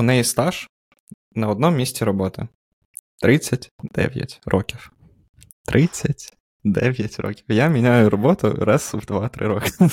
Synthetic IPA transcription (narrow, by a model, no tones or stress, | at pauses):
ʊnɛjist̪ɑʃ | nɐɔd̪̚nɔmmʲisʲtʲiɾɔbɔt̪ɪ̰ | t̪ɾɪt͡sʲːɐtʲd̪̥ɛ̰ʋʲjɐ̰tʲɾʔɔkʲiw | t̪ɾʔɪt͡sʲːɐtʲ | d̪ɛ̰ʋʲjɐtʲrɔ̰kʲiwjamʲinʲajʊɾɔbɔt̪ʊ̰ɾɛsʊwd̪ʋɑt̪ɾɪ̰ɾɔkɪ̥